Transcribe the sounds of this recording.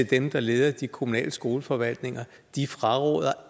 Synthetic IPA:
e̝d̥emd̥ɑ̈leːð̞ˠɐd̥ikʰomunɛ̰ːləsɡ̥o̝ːləfɒ̽ʋæl̰d̥ne̝ŋɐ | d̥ifʁɑ̈ʁɔ̰ːðˠɐ

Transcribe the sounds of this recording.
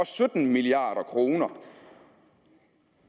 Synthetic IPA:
ɒ̽sød̥n̩miliɑ̰̈ːɾ̥ɐkʰʁo̝ːnɐ

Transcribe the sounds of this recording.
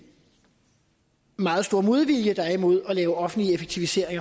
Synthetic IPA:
mɑ̈ːð̞̩ˠsd̥o̝ɐ̰mo̝ð̞ˠʋiljəd̥ɑimo̝ð̞̰ˠɒ̽lɛːʊəɒ̽fn̩dliəefeɡ̥̚t͡sʰiʋise̝ɐ̰e̝ŋɐ

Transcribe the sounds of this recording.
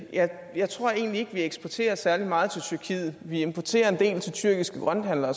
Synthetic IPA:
jɑɪ | jɑ̈ɪt͡sʰʁɔ̝ɐ̰e̝̰ːnlie̝ɡ̥ʋieɡ̥sb̥ɒt͡sʰe̝̰ːɐsæɐlimɑ̈ːð̞̩ˠt͡sʰe̝lt͡sʰyɐkʰḭð̩ˠʋie̝mpʰɒt͡sʰe̝̰ːɐe̝nd̥e̝̰ːlt͡sʰe̝lt͡sʰyɐɡ̥isɡ̥əɡ̥ʁɶnd̥hænlɐ

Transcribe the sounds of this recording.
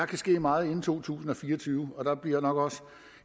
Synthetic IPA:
ɑ̈kʰæsɡ̥e̝̰ːmɑ̈ːð̩ˠe̝n̩t͡sʰo̝̰ːt͡sʰṵːsn̩ɒ̽fiːɐɒt͡sʰyːʊɒ̽d̥ɑ̈b̥liɐ̰jnɒ̽ɡ̥ɒ̽sə

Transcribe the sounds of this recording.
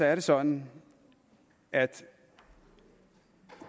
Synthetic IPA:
ɒæɐɾesɒ̽nn̩ | ʔæd̥

